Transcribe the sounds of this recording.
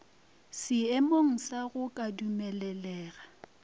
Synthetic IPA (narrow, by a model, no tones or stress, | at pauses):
sɪɛmoŋ̩saɣʊkʼadumɛlɛlɛːɣa